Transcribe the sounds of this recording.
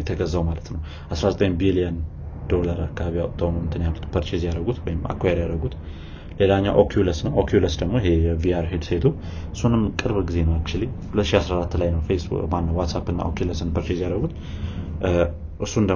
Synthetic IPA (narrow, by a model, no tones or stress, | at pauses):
jɛt̪ʰəɡəzːawmalət̪nəw | ʔasɾazət̪ʼəɲbilijən | d̪̥o̞laɾakʰːaβijat̪ʰəwnomɨt̪ʰɨnjalːut̪pʰəɾt͡ʃezijaɾəɡut̪wɔjɪma̰kʰːoeɾjaɾəɡut̪ | le̞laɲːawʔokʰjuləsnəwʔokʰjuləsd̪əɡmo̞ɪhe̞jɛviaɾɦed̪set̪ʰu | ɨsunɨmkʼɨɾβɡize̞nəwakt͡ʃːɪlihulət̪ːʃiasɾaɾat̪ːlajnəwfesbṵmanːəwat̪sapɨnːa̰ʔo̰kʰiləsɨnpʰəɾt͡ʃezijaɾəɡut̪ | ʔɨsːuɨnd̪ə